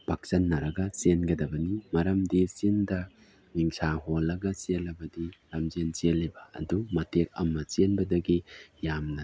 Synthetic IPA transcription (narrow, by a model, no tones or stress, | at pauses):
pak̚sɐnːɐɾɐɡɐsenɡɐdɐbɐnimɐɾɐmdisindɐ | ŋiŋsaɦolːɐɡɐselɐbɐdilɐmd͡ʒent͡ʃelːibɐɐ̰dumɐtʰek̚ɐ̰mːɐt͡ʃenbɐdɐɡijamnɐ